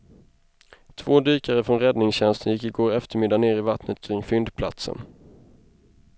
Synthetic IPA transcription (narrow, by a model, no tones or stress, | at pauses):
t̪ʰv̥oːd̪yːkaɾəfɾɔnɾɛd̪nɪŋsɕɛnst̪ənjɪkːɪɡoːɾɛft̪əɾmɪd̪ːaneːɾɪvat̪nət̪kʰɾɪŋfʏnd̪pʰla̰t̪sə̰n